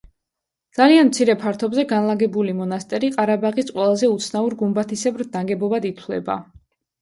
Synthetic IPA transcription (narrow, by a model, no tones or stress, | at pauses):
d̪z̥alianmt̪sʰiɾɛpʰaɾt̪ʰɔbzɛɡanlˠaɡɛbulimɔnast̪ʼɛɾiqʼaɾabaʁisqʼwɛlˠazɛut̪sʰnauɾɡumbat̪ʰisɛbɾd̪̚d̪aŋɡɛbɔbad̪it̪ʰlɛ̰ba̰